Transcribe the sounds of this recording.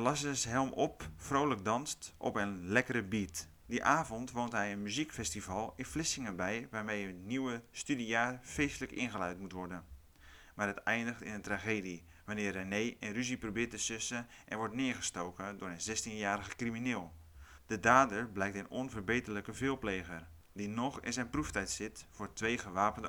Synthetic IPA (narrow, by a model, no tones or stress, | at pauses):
əlasəsɦɛlˠmʔɔpfroːlək̚dɑnstʔɔ̰pənlɛkəɾəbit | diʔaːvɔntʋoːntɦɛjənmyzikfɛstivɑlˠɪnflɪsɪŋənbɛjʋaːɹmejətniwəstydijaːrfeːstələkɪ̰nxəlœɥtmutʋɔrdən | maːrɦətɛjndəxtɪ̰nəntraxeːdi | ʋanɪːrːanejʔɛnryziprobɪːtəsʏsə | ʔɛ̰nʋɔtnɪəɹɣəstoːkədʊːɾənzɛstinjaːɾəɣəkriminɪːlˠ | d̥ədaːdərblɛjk̚tənonvərbeːtələkəvɪːlˠpleːɣər | dinɔxɪ̰nzɛjnpruftɛjtsɪtfʊtʋeːɣəʋaːpəndə